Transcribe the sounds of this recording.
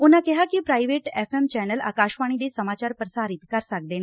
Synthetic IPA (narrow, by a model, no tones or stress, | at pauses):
unakɛɦakipɾaːiʋeːʈefemt͡ɕɛnəla̰ːkaːʃʋaɽ̃id̪esəmaːt͡ɕaːɾpɾəsaːɾit̪kəɾsak̚d̪eːña